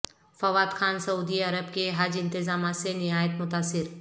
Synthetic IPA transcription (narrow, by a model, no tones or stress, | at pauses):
fɐʋaːd̪kʰaːnsɐuːd̪iɐɾəb̚keɦad͡ʒɪnt̪ɪzaːmat̪seniɦaːjət̪mʊt̪aːsɪɾ